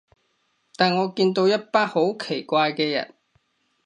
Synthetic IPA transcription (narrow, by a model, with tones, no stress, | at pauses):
t̪aː˨˩nŋɔː˨˧kiː˧nt̪o˧wjɐ˥t̚paː˥ho˨˥wkʰe˨˩jkʷaː˧jkɛː˧jɐ̰˨˩n